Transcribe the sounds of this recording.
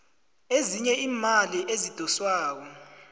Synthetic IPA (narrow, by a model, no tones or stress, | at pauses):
eziɲɛiːmaliʔezid̥ʱɔswaːk̬ɔ